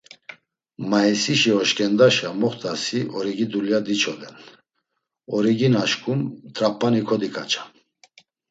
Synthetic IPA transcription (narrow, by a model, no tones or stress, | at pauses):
maisiʃiɔʃkʼɛnd̪aʃamɔχt̪ʰasiʔɔɾiɡid̪uljad̪it͡ʃʰɔd̪ɛn | ɔɾiɡinaʃkʰʼumt̪ʰʼɾapʰʼːanikʰɔd̪ikʰʼa̰t͡ʃʰḁ